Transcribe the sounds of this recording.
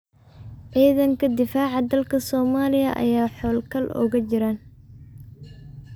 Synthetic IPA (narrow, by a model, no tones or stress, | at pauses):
ʕiːðɐŋkʰɐd̪ɪfaːʕɑd̪ɐlkʰɐsɔːmaːlɪjɐ̰ʔɐ̰jaːħɔːlkʰɐlʔɔ̰ːɣɐt͡ʃɪɾaːn